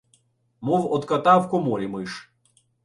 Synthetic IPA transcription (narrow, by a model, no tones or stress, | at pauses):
mɔwɔt̪kɐt̪ɑwkɔmɔɾʲimɨɪʃ